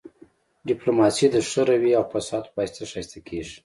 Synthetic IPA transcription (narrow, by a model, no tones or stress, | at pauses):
ɖiplomɑsid̪əʂəɾawiawfasɑd̪pɑjt̪aʂajst̪akʰeʐi̥